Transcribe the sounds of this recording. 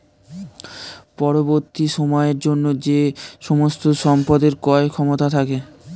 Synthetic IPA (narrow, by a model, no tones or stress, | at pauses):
pɔɾoboɾt̪iʃomɔeɾd͡ʑonːod͡ʑeʃomost̪oʃɔmpad̪eɾkɔekʰɔmot̪at̪ʰake